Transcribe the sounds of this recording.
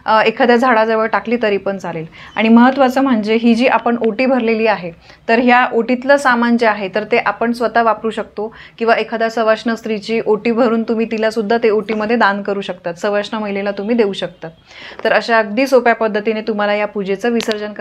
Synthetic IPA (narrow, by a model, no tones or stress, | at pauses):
ekʰad̪jad͡zʱaɽad͡zeʋəɭʈakliːt̪əɾipənd͡zʱalela̰ɽ̃iməɦət̪ʋat͡səːm̤əɳd͡zeɦid͡ʑiːʔapəɳoʈiːbʱəɾleliːaɦe | t̪əɾɦjaʔoʈit̪ləːsamant͡seaɦet̪əɾt̪eʔapəɳsʋət̪aʋapɾuːɕək̚t̪okĩw̃ʋaekʰad̪jasəʋasɳəst̪ɾit͡ɕiːʔoʈiːbʱəɾuːnt̪um̤iːt̪ilasud̪ʱːat̪eoʈiːməd̪ʱːjed̪ankəɾuːɕək̚t̪at̪səʋaʂɳəm̤əjlelat̪um̤iːd̪euːɕək̚t̪at̪̚ | t̪ːəɾəɕaəɡ̚d̪iːsopjapəd̪ʱːət̪inet̪um̤alajapud͡ʑet͡səːʋisəɾd͡ʑənkə